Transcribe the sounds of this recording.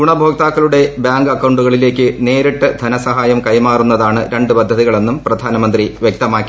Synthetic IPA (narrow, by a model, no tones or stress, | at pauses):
ɡuɳɐbʱo̞ːk̚t̪aːkːɐluɽe̞bjaːŋɡɐkːɐwɳɖuɣɐɭile̞ːkʲːɨne̞ːɾiʈːɨd̪ʱɐnɐsɐɦaːjɐmkɐjmaːrunːɐðaːɳɨɾe̞ɳɖɨpɐd̪ʱːɐðiɣɐɭe̞nːumprɐd̪ʱaːnɐmɐnd̪riʋjek̚t̪ɐmaːkːi